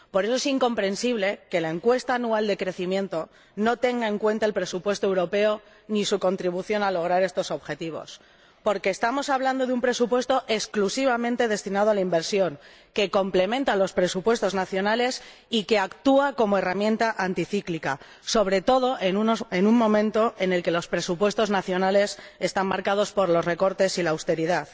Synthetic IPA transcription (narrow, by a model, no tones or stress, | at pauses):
po̞ɾe̞soe̞siŋko̞mpɾe̞nsiβle̞ke̞lae̞ŋkwe̞st̪aːnuald̪e̞kɾe̞θimjẽ̞nt̪o̞ | no̞t̪e̞ŋɡae̞ŋkwe̞nt̪ae̞lpɾe̞supwe̞st̪oewɾo̞pe̞o | nisuko̞nt̪ɾiβ̞uθjo̞nalo̞ɣ̞ɾaɾe̞st̪o̞so̞βxe̞t̪iβ̞o̞̰s | po̞ɾke̞ːst̪amo̞saβland̪o̞ðeumpɾe̞supwe̞st̪o̞ʔe̞sklusiβ̞amẽ̞nt̪e̞ðe̞st̪inað̞oalaimbe̞ɾsjo̞ŋ | ke̞ko̞mple̞mẽ̞nt̪alo̞spɾe̞supwe̞st̪o̞znaθjo̞nale̞s | ike̞akt̪uako̞moe̞ramjẽ̞nt̪aʔant̪iθiklika̰ | so̞β̞ɾe̞t̪o̞ð̞o̞ʔenenummõ̞mẽnt̪o̞ʔene̞lke̞lo̞spɾe̞supwe̞st̪o̞znaθjo̞nale̞se̞st̪ammaɾkaðo̞spo̞ɾlo̞sre̞ko̞ɾt̪e̞silaːwst̪e̞ɾiðað